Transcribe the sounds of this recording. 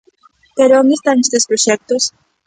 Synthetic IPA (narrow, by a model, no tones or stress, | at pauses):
peɾooŋest̪anest̪espɾoʃɛk̚t̪os